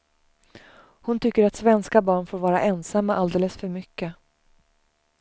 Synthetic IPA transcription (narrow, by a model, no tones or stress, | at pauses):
hʊnt̪ʰʏkːəɾat̪svɛnskabɑːɳfoːɾvɑːɾa̰ʔɛnsamːaʔald̪eːləsfœɾmʏkːə